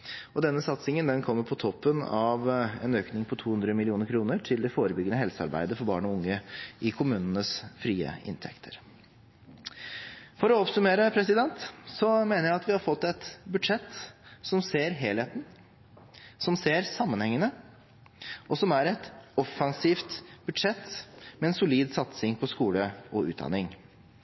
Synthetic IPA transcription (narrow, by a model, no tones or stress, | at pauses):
ɔd̪ɛnːəsɑt̪sɪŋənd̪ɛnkʰɔmːəɾpʰɔt̪ʰɔpːənɑʋɛ̰nøːknɪŋpʰɔt̪ʰuːhʉnd̪ɾəmɪlɪuːnəɾkʰɾuːnəʈʰɪld̪ɛfoːɾəbʏɡənəhɛlsəɑ̰ɾbæ̰ɪd̪əfɔɾbɑ̰ːɳɔʊŋːəɪkʰʊmʉːnənəsfɾiːə̰ɪ̰nt̪ʰɛ̰kt̪ʰə̥ɾ | fɔɾɔɔpsʉmeːɾəpʰɾɛsɪd̪ɛnt̪sɔmeːnəɾjæɪɑt̪ʋɪhɑɾfɔt̪ːɛt̪bʉd̪ʂɛt̪ːsɔmseːɾɦeːlheːt̪n̩ | sɔmseːɾsɑmːənhɛŋːənə | ʔɔsɔmæɾɛt̪ɔfɑnsiːft̪bʉd̪ʂɛt̪ːmɛɛnsʊliːd̪sɑt̪sɪŋpʰɔskuːləʔɔʉːt̪̚d̪ɑ̰nɪŋ